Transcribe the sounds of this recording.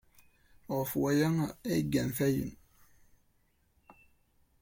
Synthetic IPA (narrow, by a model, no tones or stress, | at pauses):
ofuajaŋaeɡɛnfɛjṵn